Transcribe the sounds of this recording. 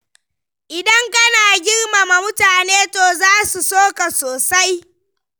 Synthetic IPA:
ʔɪ˨dɐ˦ŋkɐ˦naː˨ɡʲɪ˦rma˨ma˨mʊ˦taː˨neː˦toː˨zaː˦su˨soː˦ka˨soː˨sa˦j

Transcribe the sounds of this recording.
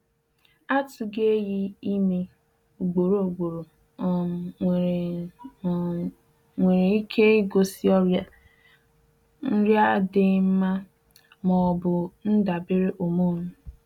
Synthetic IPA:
a˦tʊ˨ɡe˦ji˦i˦me˦ | o˨ɡ͡bo˨ɾo˨o˨ɡ͡bo˨ɾo˨ | ŋʷe˨ɾe˨i˦kʰe˦ɪ˦ɡo˦si˦ɔ˦ɾa˦ | n̩˦ɾja˦dɪ˨m̩˦ma˦ | mɔ˨bʊ˨n̩˦da˨bɪ˦ɾe˦ʔo˨mo˦nʊ˦

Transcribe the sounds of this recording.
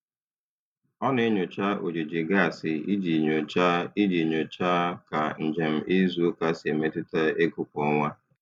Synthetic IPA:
ɔ˦ne˦ɲʊ˨t͡ʃa˦ʔo˨d͡ʒe˨d͡ʒi˨ɡa˦˨sɪ˨i˦d͡ʒi˨ɲo˨t͡ʃa˦i˦d͡ʒi˨ɲo˨t͡ʃa˦ka˨n̩˨d͡ʒe˨m̩˦ʔɪ˦zu˦ka˦se˨me˦tʊ˦ta˦e˦kʊ˦kʷɔ˦ŋʷa˦

